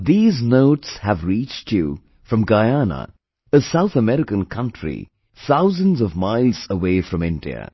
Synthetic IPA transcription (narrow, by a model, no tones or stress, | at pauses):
ðiːznoʊʈshævɾiːt͡ʃtʰju | fɾʌ̃mɡaɪanə̰ | əsaʊθəmɛɾɪkə̃nkʰʌ̃ntʰɹḭ | θaʊzə̃nzʌvmaɪlˠzəweɪfɾʌ̃mɪ̃ndḭə̰